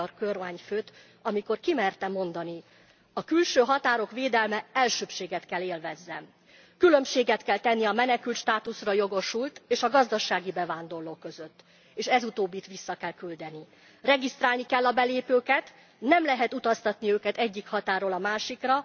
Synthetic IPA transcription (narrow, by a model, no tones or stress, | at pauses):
rkørmaːɲføːt̪ | ɒmiko̞rkimɛrt̪ɛmo̞n̪d̪ɒni | ɒkylʃøːɦɒt̪aːɾo̞kʋeːd̪ɛlmɛɛlʃøːpʃeːɡɛt̪kɛlːeːlvɛzːɛm | kylø̞mʃeːɡɛt̪kɛlt̪ɛnːiɒmɛnɛkylt̪ʃt̪aːt̪usrɒjo̞ɡo̞ʃult̪eːʃɒɡɒzd̪ɒʃaːɡibɛvaːnd̪o̞rloːkø̞zø̞t̪ː | eːʃɛzut̪oːbːit̪ʋisːɒkɛlkyld̪ɛni | rɛɡist̪ɾaːlnikɛlːɒbɛleːpøːkɛt̪ | nɛmlɛɦɛt̪ut̪ɒst̪ɒt̪niøːkɛt̪ɛɟːikhɒt̪aːroːlɒmaːʃikrɒ